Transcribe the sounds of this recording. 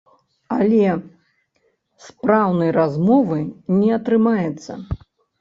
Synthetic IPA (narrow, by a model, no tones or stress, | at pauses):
alʲɛ | spɾawnɐjrazmɔvɨnʲɛɐt̪ɾɨmajɛt̪sːɐ̰